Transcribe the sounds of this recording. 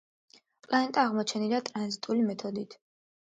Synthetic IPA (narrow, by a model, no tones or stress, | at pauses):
pʼlaɛnt̪ʼaːʁmɔt͡ʃʰɛnilat̪ʼɾanzit̪ʼulimɛt̪ʰɔd̪it̪ʰ